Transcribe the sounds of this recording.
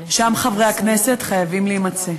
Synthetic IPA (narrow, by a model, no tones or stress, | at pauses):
ʃamχavʁe̞aknese̞tχajavimliimat͡se̞